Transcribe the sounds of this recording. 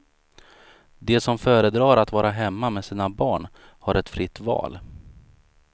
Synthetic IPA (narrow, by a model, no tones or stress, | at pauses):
d̪ɛsɔmfœːɾəd̪ɾɑːɾat̪vɑːɾaɦɛmːamɛsiːnabɑːɳ | haɾɛt̪fɾɪt̪ːvɑ̰ːl